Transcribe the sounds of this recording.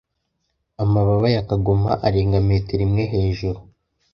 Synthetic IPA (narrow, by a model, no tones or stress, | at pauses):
amaβaβajakaɡuma̰ʔaɾeːŋɡameːteɾimŋe̞ɦe̞ːʒuɾu